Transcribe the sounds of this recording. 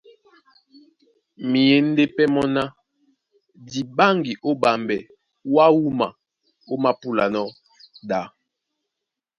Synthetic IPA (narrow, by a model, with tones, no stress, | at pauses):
mi˨je˨n̩˦de˦pɛ˦mɔ˦na˦ | di˨ba˦ŋɡi˨ʔo˦ba˨mbɛ˨ | wa˦wu˦ma̰˨ | o˦ma˦pu˦la̰˨nɔ˦ | da˨˦